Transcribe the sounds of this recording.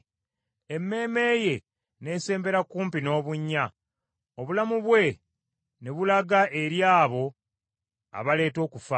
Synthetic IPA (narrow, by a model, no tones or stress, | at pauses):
e̞mːe̞ːme̞ːje̞ | ne̞ːse̞ːmbe̞ɾakuːmpino̞ːβuɲːa | oβulamuβwe̞ | neβulaɡaʔe̞ɾjaːβo̞ | a̰βale̞ːto̞ːkufa